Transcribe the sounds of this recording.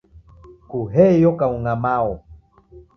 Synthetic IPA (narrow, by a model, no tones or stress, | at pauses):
kuɦɛjɔkauŋamaɔ